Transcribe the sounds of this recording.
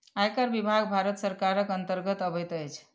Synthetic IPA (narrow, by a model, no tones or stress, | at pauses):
ajkəɾbibʱaɡbʱaɾət̪səɾkaɾəkənt̪əɾɡət̪əbət̪əjt͡ʃʰ